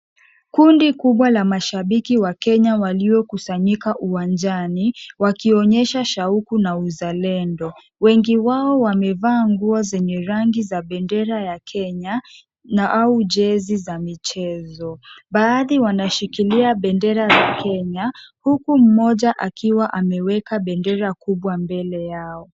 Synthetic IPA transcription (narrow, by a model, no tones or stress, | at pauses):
kundikuɓwalamaʃaɓikiwakɛɲawaliɔkusaɲikaʔuwand͡ʒaniwakiɔɲɛʃaʃaukunauzalɛndɔ | wɛŋɡiwaɔwamɛvaːŋɡuɔzɛɲɛɾaŋɡizaɓɛndɛɾajakʰɛɲa | naʔauʄɛzizamit͡ʃɛzɔɓaːðiwanaʃikiliaɓɛndɛɾazakʰɛɲahukum̩mɔʄaʔakiwaʔamɛwɛkaɓɛndɛɾakuɓwambɛlɛjaɔ